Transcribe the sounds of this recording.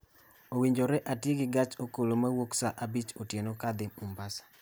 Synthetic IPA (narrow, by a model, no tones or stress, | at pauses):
owiɲd͡ʒoɾɛʔatjeɡɪɡat͡ʃokolomawoksaʔabit͡ʃotjenokad̪ɪumbasḁ